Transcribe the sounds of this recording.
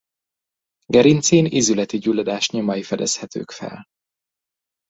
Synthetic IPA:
ɡɛɾint̪siːnizylɛt̪iɟulːod̪aːʃɲomɒjifɛd̪ɛshɛt̪ʰø̰ːkfɛ̰l

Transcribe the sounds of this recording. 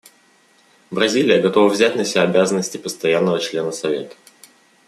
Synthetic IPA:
bɾɐzʲilʲɪjəɡɐt̪o̞vəvzʲæt̚ʲnəsʲɪbʲaɐbʲazənːəsʲtʲɪpəst̪ɐjanːəvət͡ɕlʲe̞nəsɐvʲe̞̰t̪ə̥

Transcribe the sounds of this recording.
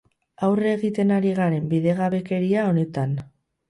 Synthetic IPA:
awreɣit̪e̞naɾiɣaɾe̞mbiðe̞ɣaβe̞ke̞ɾiao̞ne̞t̪an

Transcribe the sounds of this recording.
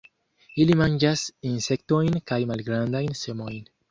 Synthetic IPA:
ilimãnd͡ʒasĩnsek̚t̪ojnkajmalɡɾãnd̪ajnsemojn

